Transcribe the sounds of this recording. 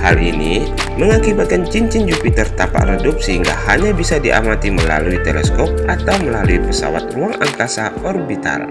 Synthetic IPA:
ha̰lini | məŋakibat̪̚kant͡ʃiɲt͡ʃɪnd͡ʒupit̪ərt̪ampa̰ʔrədʊp̚səhiŋɡa̰haɲabisadiʔa̰mat̪iməla̰luit̪ɛlɛskɔp̚ʔat̪awməlaluipəsa̰wa̰t̪̚ruaŋʔaŋkasaɔrbit̪a̰l

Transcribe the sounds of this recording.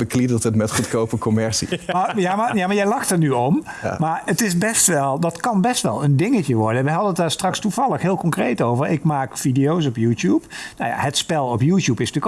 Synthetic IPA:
bəklidətətmɛtχutkowpənkɔmɛɹsḭajamajaːmaːɹjɛjlɑxtəɹnyɔmmaːɹətɪsbɛstʋɛlˠdɑtkɑnbɛstʋɛ̰lˠəndɪŋəcəʋɔɹdəʋəɦɑdənətdaːɹstrɑkstuv̥ɑlˠəχɦɪːlˠkɔŋkrejtowvəɹʔɪkmaːkfidiows̬ɔpjuːtjupna̰wja̰hətspɛlˠɔpjuːtjupɪsnətyːk

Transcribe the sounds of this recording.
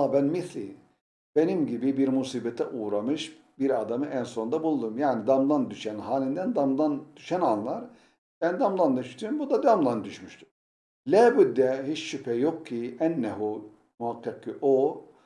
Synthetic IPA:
bænmiθlḭ | b̥enimɟibibiɾmusiːbɛt̪ʰɛʔuːɾamɯʃ | biɾad̪amɯʔænso̞nd̪abulˠd̪umjaːnid̪amd̪and̪yʃænɦaːlʲind̪ænd̪amd̪and̪̥yʃænanlˠaɾ | b̥ænd̪amd̪ˠand̪yʃt̪ʰyːmbud̪ad̪amd̪ˠand̪yʃmyʃt̪ʰy̥m | lʲaːbud̪ːɛɦit͡ʃʃypʰɛjokcʰːiænːɛɦu | muhaqːɯk̚cʰiʔo

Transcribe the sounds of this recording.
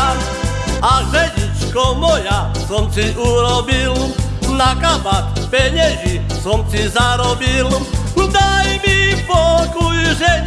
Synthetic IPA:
aɣlɛd͡ʑit͡ʃkɔmɔjasɔmsiʔuɾɔbilnakabakpɛɲɛzisɔmsizaɾɔbild̪ajmipɔkujʒɛ

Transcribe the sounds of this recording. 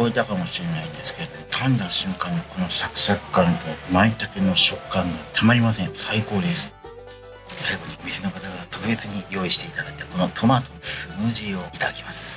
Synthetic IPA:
oit̪akamo̞ɕiɾe̞naĩnd̪e̞sɨ̥ke̞ɾed̪omot̪ʰãnd̪ãɰ̃ɕɨ̃ŋkãnːoko̞no̞sakɯ̟̥ɕakːãnt̪omait̪akɯnoɕo̞kːãŋɡat̪ʰamaɾʲimasẽsaiko̞ːd̪e̞sɨ̥ | saiɡo̞ɲ̟iomʲisenokat̪aɡat̪o̞kɯ̟be̞t͡sɨɲ̟ijo̞ːiɕi̥t̪e̞it̪ad̪ait̪ako̞no̞t̪ʰo̞maːt̪o̞nosɨmɯ̟ʑio̞it̪ad̪akʲi̥masɨ̥

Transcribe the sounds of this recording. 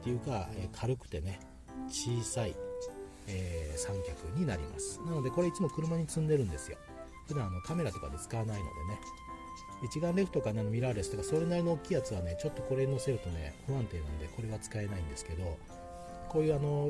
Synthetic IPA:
t̪ːe̞jɯ̟ːkaeːkʰaɾɯ̟kɯ̥t̪e̞ne̞ | t͡ɕiːsai | eːsãŋkʲakɯ̟ɲ̟inaɾʲḭma̰sɨ̥nano̞d̪e̞ko̞ɾe̞it͡sɨmo̞kɯ̟ɾɯ̟maɲ̟it͡sɨ̃nd̪eɾɯ̟̃nd̪e̞sɨjo̞̰ | hɯd̪ãɰ̃ano̞kame̞ɾat̪o̞ka̰d̪e̞t͡sɨ̥kaβanaino̞̰d̪e̞̰ne̞ | it͡ɕiɡãnɾe̞ɸɯ̥t̪o̞kananomʲiɾaːɾe̞sɨ̥t̪o̞kaso̞ɾe̞naɾʲino̞okʲːiːjat͡sɨβane̞t͡ɕo̞t̪ːo̞ko̞ɾe̞no̞se̞ɾɯ̟t̪o̞ne̞̰ɸɯ̟βãnt̪e̞jɯnanod̪e̞ko̞ɾe̞ɡat͡sɨ̥kae̞naĩnd̪e̞sɨ̥ke̞d̪o̞ | ko̞ːjɯ̟ːano̞

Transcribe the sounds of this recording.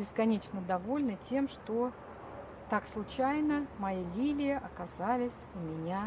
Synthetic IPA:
bʲɪskɐnʲet͡ɕnəd̪ɐvo̞lʲnɨtʲe̞mʂt̪o | t̪akslˠʊt͡ɕajnəmɐjilʲilʲɪjɪʔɐkɐzalʲɪsʲʊmʲɪnʲa

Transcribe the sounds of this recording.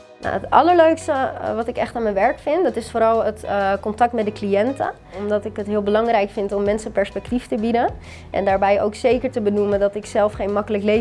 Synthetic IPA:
na̰ətɑləɹløɥkstəʋɑtɪkɛ̰χtaːnmənʋɛɹkfɪntdɔtɪsfoːɾɑlˠətkɔntɑk̚tmɛt̚dəklijɛntə̰ | ɔmdɔtɪkɦətɦɪəlˠbəlɑŋrɛjkfɪntɔmːɛnsəpɛɹspɛktiftəbidən | ʔɛ̰ndaːɹbɛjʔo̰wksejkəɹtəbənuməndɔtɪksɛlˠfχejnmɑkələkle

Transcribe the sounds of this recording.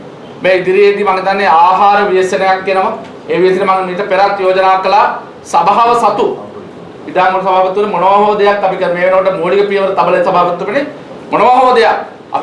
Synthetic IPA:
beːid̪iɾijed̪imaŋɡet̪ɐnːeaːɦaːɾɐʋijɐsjɐnɐkakːiɐnɐmɐ | eːʋiet̪ilemaŋɡemiːʈɐpeɾant̪joːd͡ʒɐnaːkɐla | sɐbaɦaʋɐsɐt̪u | ʋid̪aːnmɐnɐsɐbʱaːʋɐt̪unemonɐʋɐɦɐʋɐd̪ejakːɐpikɐmeːʋenoʋɐʈɐmoːliɡɐpijɐʋɐɾɐt̪ɐbɐlɐjsɐbʱaːʋɐt̪ːumene | monɐʋɐɦɐɐd̪ejak | ɐ̰

